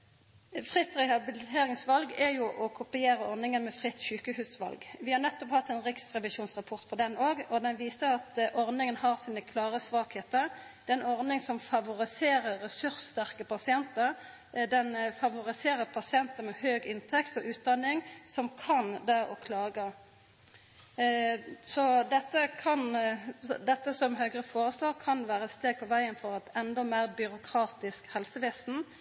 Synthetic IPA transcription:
fʁɪt̪ːʁɛhɑbɪlɪt̪ʰeːɾɪŋsʋɑlɡæjʊʔɔkʰʊpɪeːɾəɔʁnɪŋənmɛfʁɪt̪ːʃʉːkəhʉːsʋɑ̰lɡʋɪhɑɾnɛt̪ːɔphɑt̪ːɛnʁɪksʁɛʋɪʃuːnsʁɑpʰɔʁt̪pʰɔd̪ɛnoːɡɔd̪ɛnʋiːsəɑt̪ʔɔʁnɪŋənhɑʁsiːnəkʰlɑːʁəsʋɑːkheːt̪əɾd̪ɛɛnɔʁnɪŋsɔmfɑʋʊɾɪseːɾəʁʁɛsʉɾsːt̪æʁkəpʰɑsɪɛnt̪ə | d̪ɛnfɑʋʊʁɪseːʁəpʰɑsɪɛnt̪əmɛhøːɡɪnt̪ʰɛkt̪ɔʔʉːt̪̚d̪ɑnːɪŋsɔmkʰɑnd̪æʔɔkʰlɑːɡə | sɔd̪ɛt̪ːəkʰɑn | d̪ɛt̪ːəsɔmɦœɡʁəfoːʁəsloːʁkʰɑnʋæːʁəɛt̪st̪eːɡ̚pʰɔʋæɪənfɔʁɛt̪ɛnd̪ɔmæːʁbʏɾʊkʰʁɑːt̪ɪskhɛlsəʋeːsn̩

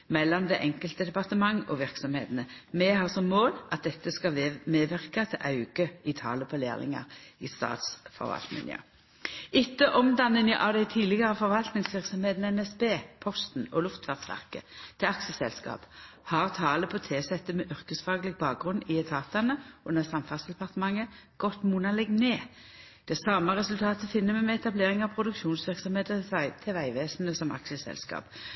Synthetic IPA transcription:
mɛlːɔmd̪ɛʔɛŋkəlt̪əd̪ɛpɑʁt̪əmɑŋːɔ̰ʋɪʁksɔmhḛːt̪nəmɛɦɑːʁsɔmːoːlʔɑt̪̚d̪ɛt̪ːəskɑmeːʋɪʁkɑt̪ʰɛʔɑʉɡ̥əɪt̪ʰɑ̰ːləpʰɔlḛːlɪ̰ŋɑ̰ʁist̪ɑ̰ːt̪sfɔ̰ʁʋɑ̰lt̪nɪ̰nɪ̰ə̰ | ɪt̪ːəʔɔmd̪ɑnːənəʔɑd̪æɪt̪ʰiːlɪɡəʁəfɔʁʋɑlt̪nɪŋsʋɪʁksɔmheːt̪nəɛnɛsbeːpʰɔst̪n̩ɔlʉft̪fɑʁst̪æ̰ʁkə̰t̪ʰɛɑksəsɛ̰lskɑ̰ːphɑʁt̪ʰɑːləpʰot̪ʰeːsɛt̪ːəmɛʔʏʁkəsfɑːɡəlɪɡ̚bɑːk̚ɡʁʉnːɪɛt̪ʰɑːt̪ɑnəʔʉnːəʁsɑmfɑnsd̪ɛpɑʁt̪əmɑŋːə | ɡ̥ɔt̪munɑlɛɡneː | d̪̥ɛsɑːməʁɛsʉlt̪ʰɑːt̪əfɪnːəmɛɪmɛɛt̪ɑbleːʁɪŋɑʋpʰʁʊd̪ʉkʃuːnsʋɪʁksɔmheːt̪əsɑɪt̪ʰɛʋæɪʋeːsn̩əsɔmʔɑ̰ksəsɛ̰lskɑ̰ːp

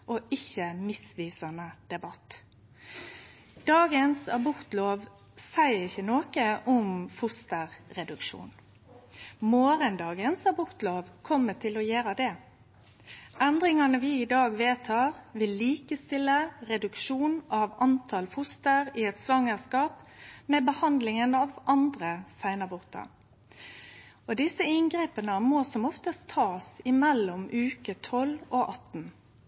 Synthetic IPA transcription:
ʔoɪçːəmɪsʋiːsɑnəd̪̥ɛbɑt̪ | d̪̥ɑːɡənsɑʋbʊʁt̪loːʋ | sæɪɪçːənoːkəʔɔmfʊst̪əʁɾɛd̪ʉkʃṵːn | moːɾənd̪ɑːɡənsɑʋbʊʁt̪loːʋkʰɔmːət̪ʰɪlɔjeːɾəd̪ɛ | ʔɛnd̪ɾɪŋɑnəʋɪɪd̪ɑːɡʋeːt̪ʰɑːʁʋɪlːiːkəst̪ɪlːəʁɛd̪ʉkʃuːnɑʋɑnt̪ʰɑlfʊst̪əʁɪɛt̪sʋɑŋəʁskɑːpmɛbəhɑnd̪lɪŋənɑʋɑnd̪ʁəsæɪnɑbʊʁt̪ʰɑ̰ | ɔd̪ɪsəɪŋɡʁeːpənəmoːsɔmɔft̪əst̪ʰːɑːsɪmɛlːɔmʉːkət̪ʰɔlɔʔɑt̪n̩

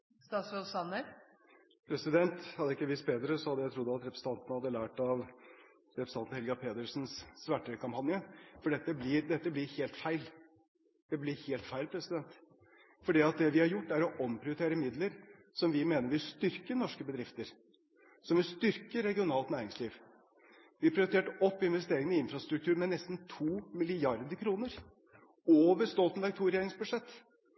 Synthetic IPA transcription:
st̪ɑːsʋɔlsɑnːəɾ | pʰɾɛsɪd̪ɛnt̪hɑd̪ːəɪkːəʋiːspeːd̪əɾəsɔhɑd̪ːəjæɪt̪ʰɾʊd̪ːɑt̪ɾɛpɾəsə̥ɑnt̪ənəhɑd̪ːəlæːʈɑʋ | ɾɛpʰɾəsɑnt̪n̩hɛlɡɑpʰeːd̪əʂnssʋæʈːəkʰɑmpʰɑnjəfɔɖɛt̪ːəblɪɾd̪ɛt̪ːəblɪɾheːlt̪fæɪl | d̪̥ɛblɪɾheːlt̪fæɪlpʰɾɛsɪd̪ɛnt̪ | fɔɖiːɑt̪̚d̪ɛʋɪhɑɾjʊʈːæɾɔʔɔmpʰɾɪʊɾɪt̪ʰeːɾəmɪd̪ləɾ | sɔmʋɪmeːnəɾʋɪlst̪ʏɾkənɔʂkəbəd̪ɾɪft̪əɾ | sɔmʋɪlst̪ʏɾkəɾːɛɡɪʊnɑːlt̪næːɾɪŋsliːʋ | ʋɪɑpʰɾɪʊɾɪt̪eːʈɔpːɪnʋɛst̪eːɾɪŋənɪɪnfɾɑst̪ɾʉk̚t̪ʰʉːɾmɛnɛst̪n̩t̪ʰuːmɪlɪɑɾd̪əkʰɾuːnəɾ | oːʋəɾst̪ɔlt̪nd̪ɑɡ̚t̪ʰuːɾɛjeːɾɪŋsbʉʂɛt̪ː

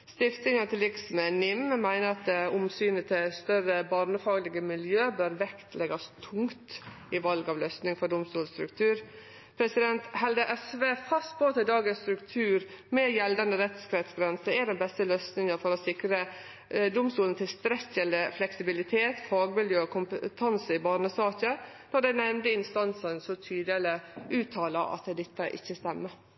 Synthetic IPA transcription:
st̪ɪft̪ɪŋənt̪ʰɪlɪksmɛnɪmmæɪnəɾɑt̪̚d̪ɛʊmsyːnət̪ʰɪst̪œɾəbɑːɾnəfɑːɡlɪɡəmɪljøːbøːɾʋɛkt̪ʰlɛɡɑst̪ʰʊŋt̪ | ɪʋɑlɡɑːʋløːsnɪŋfɔɖʊmst̪uːlst̪ɾʉ̰kt̪ʰʉːɾ | pʰɾɛsɪd̪ɛnt̪hɛld̪əʔɛsʋeːfɑst̪̚boːt̪ʰɪd̪ɑːɡənst̪ɾʉkt̪ʰʉːɾmɛjɛld̪ɑnd̪əɾɛt̪skɾɛt̪sɡɾɛnsəæd̪ɛnbɛst̪əløːsnɪŋəfɔɾɔsɪkɾə | d̪ʊmst̪uːlən̩t̪ʰɪlst̪ɾɛçənd̪əflɛksɪbɪlɪt̪ʰeːt̪fɑːɡmɪljøːɔkʰʊmpət̪ʰɑnsəɪbɑːɾɳəsɑːçə | nɔd̪æɪnɛmnd̪əɪnst̪ɑnsənsɔt̪ʰyːd̪ələʉːt̪ʰːɑːlɑʔɑ̰t̪d̪ɛt̪ːəʔɪ̰çːəst̪ɛmːə

